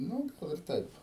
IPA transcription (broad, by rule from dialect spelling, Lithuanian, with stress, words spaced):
ˈnʊ ˈɡɐlˠ ɪr ˈtɐɪp